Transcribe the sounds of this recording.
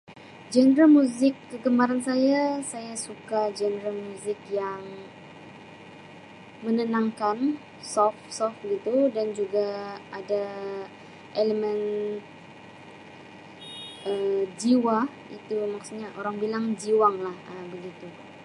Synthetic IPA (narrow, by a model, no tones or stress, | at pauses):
d͡ʒənəɾalmuzɪkːəkəmaɾansajasajasukad͡ʒənəɾalmuzɪkjaŋ | mənənaŋkan | sɔfsɔfəɡit̪udand͡ʒuɡaada | ʔeləmɛn | əd͡ʒiwa | it̪umaksuɲaʔoɾaŋbilaŋd͡ʒiwaŋlahəbəɡit̪u